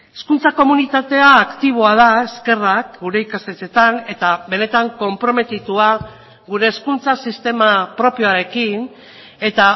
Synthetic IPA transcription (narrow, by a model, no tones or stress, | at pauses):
eskunt͡sako̞munit̪at̪e̞aːkt̪iβ̞o̞aðae̞ske̞rakɡuɾe̞ikast̪et͡se̞t̪ane̞t̪aβe̞ne̞t̪aŋko̞mpɾo̞me̞t̪it̪ua | ɣuɾe̞ːskunt͡sasist̪e̞mapɾo̞pijo̞aɾe̞kin | e̞t̪a